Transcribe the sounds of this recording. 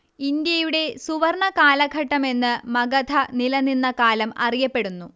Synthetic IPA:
ind̪jɐjuɽe̞suʋɐrɳɐkaːlɐɡʱɐʈːɐme̞nːɨmɐɡɐd̪ʱɐnilɐninːɐkaːlɐmɐrijɐpːe̞ɽunːu

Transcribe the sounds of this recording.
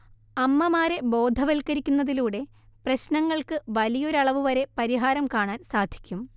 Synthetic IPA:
ɐmːɐmaːɾe̞bo̞ːd̪ʱɐʋɐlkɐɾikʲːunːɐðiluːɽe̞ | prɐɕnɐŋːɐɭkɨʋɐlijo̞ɾɐɭɐʋuʋɐɾe̞pɐɾiɦaːɾɐmkaːɳaːnsaːd̪ʱi̥kʲːum

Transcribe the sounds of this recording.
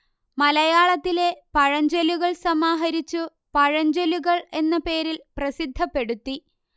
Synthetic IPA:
mɐlɐjaːɭɐt̪ːile̞pɐɻɐɲd͡ʑeluɣɐɭsɐmaːɦɐɾit͡ɕːu | pɐɻɐɲd͡ʑeluɣɐɭe̞nːɐpe̞ːɾilprɐsid̪ʱːɐpːe̞ɽut̪ːi

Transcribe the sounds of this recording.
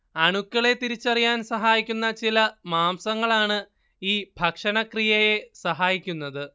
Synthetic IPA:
ɐɳukːɐɭe̞t̪iɾit͡ɕːɐrijaːnsɐɦaːjikʲːunːɐt͡ɕilɐmaːmsɐŋːɐɭaːɳɨ | iːbʱɐkʂɐnɐkrijɐje̞sɐɦaːjikʲːunːɐðɨ

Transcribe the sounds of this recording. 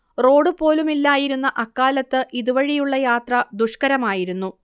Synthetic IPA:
ro̞ːɽupo̞ːlumilːaːjiɾunːɐʔɐkːaːlɐt̪ːɨʔiðuʋɐɻijuɭːɐjaːt̪rɐd̪uʂkɐɾɐmaːjiɾunːu

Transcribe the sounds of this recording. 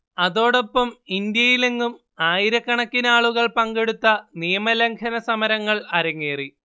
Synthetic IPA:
ɐðo̞ːɽo̞pːɐmind̪jɐjileŋːum | aːjiɾɐkːɐɳɐkːinaːɭuɣɐɭpɐŋɡe̞ɽut̪ːɐnijɐmɐleŋkʰɐnɐsɐmɐɾɐŋːɐɭɐɾɐŋːeːri

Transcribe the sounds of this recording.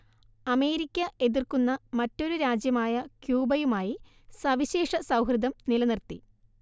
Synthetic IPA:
ɐme̞ːɾikʲːɐʔe̞ðirkunːɐmɐtːo̞ɾuɾaːd͡ʑjɐmaːjɐkjuːbɐjumaːji | sɐʋiɕe̞ːʂɐsɐwɦrɨd̪ʱɐmnilɐnirt̪i

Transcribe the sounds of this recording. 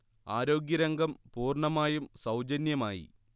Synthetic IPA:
a̰ːɾo̞ːɡjɐɾɐŋɡɐmpuːrɳɐmaːjumsɐwd͡ʑɐnjɐmaːjḭ

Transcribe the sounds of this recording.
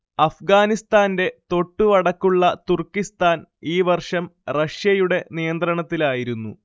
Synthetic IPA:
ɐfɡaːnist̪aːnde̞t̪o̞ʈːuʋɐɽɐkːuɭːɐt̪urkːist̪aːniːʋɐrʂɐmrɐʂjɐjuɽe̞nijɐnd̪ɾɐɳɐt̪ːilaːjiɾunːṵ

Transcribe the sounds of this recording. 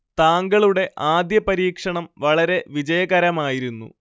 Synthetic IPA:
t̪aːŋɡɐɭuɽe̞ʔʔaːd̪jɐpɐɾiːkʂɐɳɐmʋɐɭɐɾe̞ʋid͡ʑɐjɐɣɐɾɐmaːjiɾunːṵ

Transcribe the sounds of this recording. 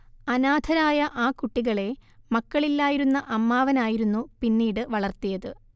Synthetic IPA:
ɐnaːd̪ʱʰɐɾaːjɐʔaːkuʈːiɣɐɭe̞mɐkːɐɭilːaːjiɾunːɐʔɐmːaːʋɐnaːjiɾunːupinːiːɽɨʋɐɭɐrt̪ijɐðɨ

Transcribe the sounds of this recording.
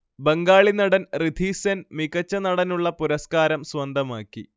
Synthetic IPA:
beŋɡaːɭinɐɽɐnrid̪ʱiːsɐnmiɣɐt͡ɕːɐnɐɽɐnuɭːɐpuɾɐskaːɾɐmswɐnd̪ʱɐmaːkːi

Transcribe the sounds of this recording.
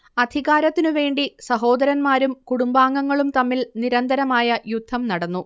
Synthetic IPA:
ɐd̪ʱiɣaːɾɐt̪ːinuʋe̞ːɳɖisɐɦo̞ːd̪ɐɾɐnmaːɾumkuɽumbaːŋːɐŋːɐɭumt̪ɐmːilniɾɐnd̪ɐɾɐmaːjɐjud̪ʱːɐmnɐɽɐnːu

